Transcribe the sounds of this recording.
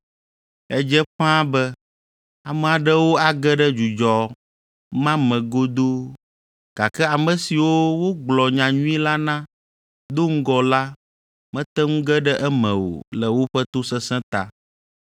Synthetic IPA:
ɛ˦d͡ʒɛ˦ɸã˦bɛ˦ | a˨mɛ̃˨a˨ɖɛ˦wo˦a˨ɡɛ˦ɖɛ˦d͡ʒu˨d͡ʒɔ˨ | mã˦mɛ̃˨ɡo˦d̪o˦ | ɡ̥a˨kɛ˦a˨mɛ̃˨si˨wo˦wo˦ɡ͡blɔ˨ɲã˨ɲũ˦i˦la˦nã˦ | d̪o˦ŋ̩˦ɡɔ˨la˦ | mɛ̃˦t̪ɛ˦ŋũ˦ɡɛ˦ɖɛ˦ʔɛ˦mɛ̃˨wo̰˨lɛ˨wo˦ɸɛ˦t̪o˦sɛ̃˦sɛ̃˦t̪a˨

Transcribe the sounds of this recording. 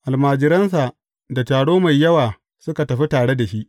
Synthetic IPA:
ʔa˨lmaː˨d͡ʒɪ˨ɾɐ˦ns̬a˨ | da˨taː˨ɽoː˦ma˨jːɐ˦waː˨ | sʊ˦ka˨tɐ˨ɸi˦taː˨ɽe˦da˨ʃi˦ʔ

